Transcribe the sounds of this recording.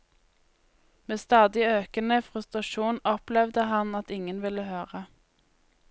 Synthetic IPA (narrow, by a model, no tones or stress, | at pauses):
meːst̪ɑːd̪ɪøːkənəfʁʉst̪ʁɑʃuːnɔplɛʋd̪əhɑnɑt̪ɪŋənʋɪləhøːʁə